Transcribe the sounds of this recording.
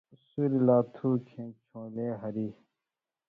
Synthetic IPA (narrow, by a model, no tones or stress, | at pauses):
suɾilaːt̪ʰuːkʰẽːt͡ɕʰõːleːɦɐɾiː